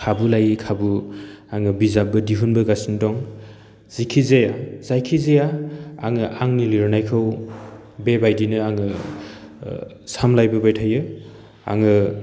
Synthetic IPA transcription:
kʰabulajikʰabuaŋɯbizabɯdiɦunbɯɡasindɔŋ | z̥ikʰizejaz̥ajkʰizejaa̰ŋɯʔaŋniliɾnajkʰɯw | bebajdinɯaŋɯ | samlajbɯbajtʰajɯ | a̰ŋɯ

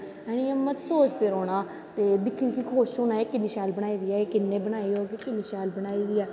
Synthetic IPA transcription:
ɛːɽ̃iəmːət̪soːt͡ʃd̪eːɾoːnaː | t̪eːd̪ɪkʰːiːkikʰoːʃoːnaːekːɪniʃaːlbəɽ̃aːiːd̪ɪːɛːeːkɪnːẽːbəñaːiːoːkekɪniːʃaːlbəñaːiːd̪ɪːɛː

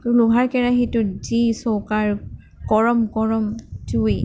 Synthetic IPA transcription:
ʊluɡʱaɹkɛɹaɦitʊzisɔwkaɹ | kɔɹɔmkɔɹɔmtuj

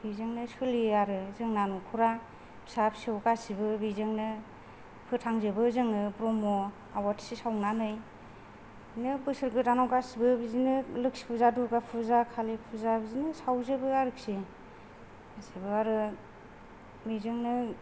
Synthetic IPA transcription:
bizɯŋnɯsɯliaɾɯzɯŋnanukʰuɾa | bsap̚siɯwkasibɯbizɯŋnɯ | pʰɯtʰaŋzɯbɯzɯŋnɯpɾɔmɔ | awatʰi̥sisawnanɯj | nɯbɯsɯɾɡɯtanawkasibɯbizinɯlɯk̚si̥pʰuzadukapʰuzakʰalipʰuzabizinɯsawzɯbɯaɾɯk̚si | asibɯaɾɯ | bizɯŋnɯ

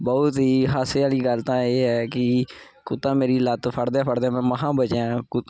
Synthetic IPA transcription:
bɔt̪ɦiːɦaːseaːliːɡəlt̪ãːeːɦɛːkɪ | kʊt̪ãːmeːɾiːlət̪pʰəɽd̪aːpʰəɽd̪aːmɛ̃ːməɦãːbət͡ʃãːkʊ

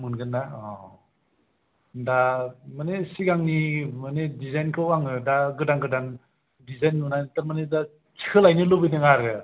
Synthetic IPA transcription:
munɡɯnːaɔ | damanesiɡaŋnimanedizajnkʰɯwaŋɯdaɡɯdaŋɡɯdaŋ | dizajnːunajntaɾmaneda | kʰi̥kʰɯlajnɯlɯbɯnɯŋaɾɡɯ

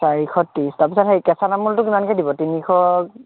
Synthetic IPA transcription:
saɹixʰɔtːistaɹpisathejkɛsanamultʊkimankɛdibɔtinixʰɔ

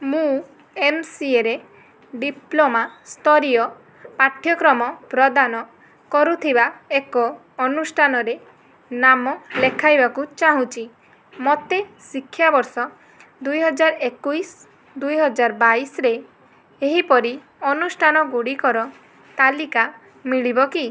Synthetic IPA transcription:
mũ | emsieɾe | ɖiplomast̪ɔɾijɔ | paʈʰːjɔkɾɔmɔpɾɔd̪anɔ | kɔɾut̪ʰibaekɔː | nusʈʰanɔɾe | namɔlekʰajbakut͡ʃaɦũt͡ʃʰi | mɔt̪esikʰːjabɔɾsɔ | d̪ujɦɔd͡ʒaɾɔekujs | d̪ujɦɔd͡ʒaɾɔbaisɾe | eɦipɔɾi | ɔnusʈʰanɔɡuɽikɔɾɔ | t̪alika | miɭibɔki

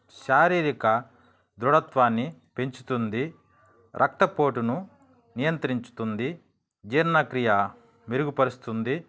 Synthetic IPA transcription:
ʃaːɾiːɾikɐ | d̪ɾuɽɐt̪ʋaːnːipe̞ɲt͡ʃu̥t̪und̪i | ɾʔɐk̚t̪ɐpo̞ːʈunu | nijɐnt̪ɾiɲt͡ʃu̥t̪und̪i | d͡ʒiɾnɐkɾijɐ | miɾuɡupɐɾust̪und̪i

